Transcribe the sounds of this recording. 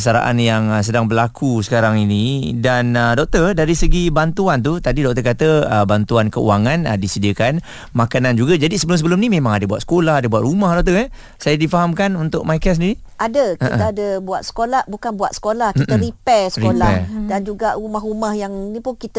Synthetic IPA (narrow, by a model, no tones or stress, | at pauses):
s̬aɾa̰ʔa̰njaŋs̬ədaŋbəlakʰusə̥kaɾaŋinidanədɔk̚t̪ərdaɾisəɡibant̪uant̪̬ut̪adidɔk̚t̪əkat̪əəbant̪uankəṵaŋãnə̰disədiəkan | makanand͡ʒuɡad͡ʒadisəbəlʊms̬əbəlʊmnimẽmãŋadabuat̪sə̥kolahadəbuaʔ̪ɾumahdɔk̚t̪əɛ | sajadifaɦamkanunt̪ʊʔ̚majkasəndiɾi | ʔadəkʔəiʔə̰aadəbuat̪̚sə̥kolahbukanbuat̪̚sə̥kolahit̪əɾipɛsəɾiolaɛdand͡ʒuɡaʔumahɦumahjaŋnipʊnkit̪ə